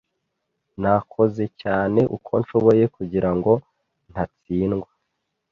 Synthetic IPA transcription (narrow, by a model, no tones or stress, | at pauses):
nakʰo̞ze̞caːne̞ʔṵkʰo̞̰nʃo̞βo̞je̞kuɟiɾaŋɡo̞ | n̥hat͡siːnɡwa